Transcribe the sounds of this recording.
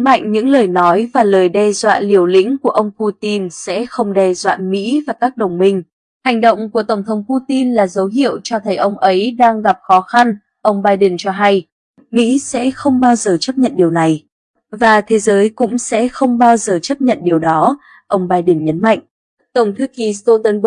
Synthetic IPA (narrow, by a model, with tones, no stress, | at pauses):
ma̰˧˨jŋ̟ɲɨ̰˧˥ŋləː˨˩jnɔ˨˦jvaː˨˩ləː˨˩jɗɛ˧zwa̰ː˧˨li˨˩əwlḭ̈˧˥ŋ̟ku˧˩əʔə˧wŋ͡mpu˧t̪i˧nsɛ̰˧˥xə˧wŋ͡mɗɛ˧zwa̰ː˧˨nmḭ˧˥vaː˨˩kaː˦˥k̚ɗə˨˩wŋ͡mmï˧ŋ̟ | ha˨˩jŋ̟ɗə̰˧˨wŋ͡mku˧˩ət̪ə˧˩ŋ͡mt̪ʰə˨˦wŋ͡mpu˧t̪i˧nlaː˨˩zə˨˦wɦḭ˧˨əwt͡ɕɔ˧t̪ʰə˨˦jʔə˧wŋ͡mʔə˨˦jɗaː˧ŋɣa˨˩p̚xɔ˨˦xa˧n | ʔə˧wŋ͡mɓaː˧jɗə˨˩nt͡ɕɔ˧ɦa˧j | mḭ˧˥sɛ̰˧˥xə˧wŋ͡mɓaː˧wzəː˨˩t͡ɕə˦˥p̚ɲə̰˧˨nɗi˨˩əwna˨˩j | vaː˨˩t̪ʰe˨˦zəː˨˦jkʊ̰˧˥ŋ͡msɛ̰˧˥xə˧wŋ͡mɓaː˧wzəː˨˩t͡ɕə˦˥p̚ɲə̰˧˨nɗi˨˩əwɗɔ˨˦ | ʔə˧wŋ͡mɓaː˧jɗə˨˩nɲə˨˦nma̰˧˨jŋ̟ʔ | t̪ə˧˩wŋ͡mt̪ʰɨ˨˧˦ki˨˩st̪o˧t̪ə˧n